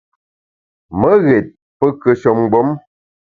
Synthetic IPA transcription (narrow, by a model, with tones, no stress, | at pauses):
mə˦ɣɛ˨t̚ | pə˦kə˨ʃə˨mɡ͡bo˦m